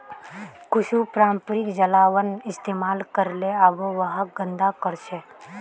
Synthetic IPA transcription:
kʊʃupɾãːmpɾɪkd͡ʒəlaːwənɪst̪eːmaːlkəɾleaboʋəɦəɡə̃nd̪akəɾʃeː

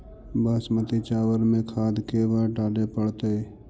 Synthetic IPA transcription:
baːsmət̪it͡ʃaːwəɾmẽkʰaːd̪kebaɖaːlepəɽt̪ei

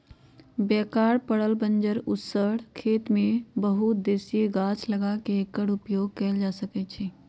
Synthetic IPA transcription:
bɛkaːɾpəɽəlbənd͡ʒəɾʊsəɽkʰeːt̪mẽbəɦut̪̚d̪eːsieɡãt͡ʃʰləɡakeekːəɽupjoɡ̚kɛːld͡ʒasəkɛt͡ʃʰɛ

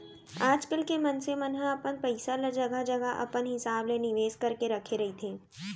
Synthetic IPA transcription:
aːd͡ʒkəlkemɐnsemɐnɦaɐpənpɐɪsaləɾd͡ʒɐɡad͡ʒɐɡaʔɐ̰pənɦɪsaːblenɪʋeːskɐɾkeɾɐkʰeɾɐɦit̪ʰeː

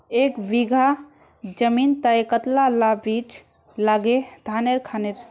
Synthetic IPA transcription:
ekbiɡʱa | d͡ʒəmint̪əekət̪lalabit͡ʃ | laɡed̪ʱaneɾkʰaneɾ

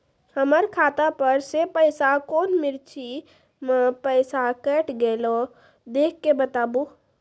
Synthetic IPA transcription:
həməɾkʰat̪apəɾsepəɪsakoːnmɪɾt͡ʃʰi | məpəɪsakəʈɡelɔ | d̪ekʰːebət̪aːbu

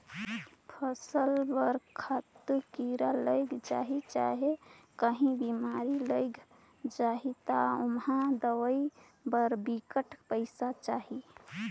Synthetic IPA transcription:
pʰəsəlbəɾkʰat̪kiɾaləɪɡd͡ʒa̰ɦit͡ʃaɦekəɦĩbimaɾiləɪɡ | d͡ʒaɦit̪aomɦãd̪əʋəi | bəɾbikəʈpəɪsat͡ʃaɦi

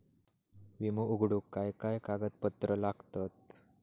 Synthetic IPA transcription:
ʋimuuɡɽukːajkajkaɡət̪̚pət̪ɾəlaɡt̪at̪̚

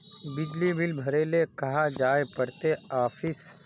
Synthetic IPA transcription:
bɪd͡ʒlibɪlbʱɐɾeːlekɐɦad͡ʒaːepɐɽt̪eaːfɪs

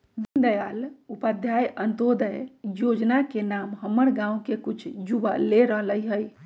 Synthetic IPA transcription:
ʋind̪əjalupəd̪ʱjajənt̪od̪əjjod͡ʒnakenamɦəmːəɾɡãukekut͡ʃʰd͡ʒubaleɾəɦləjɦəj

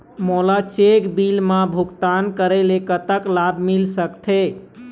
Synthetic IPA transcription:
molat͡ʃekbilmãbʱukt̪ankəɾelekət̪əklabmilsəkt̪ʰe

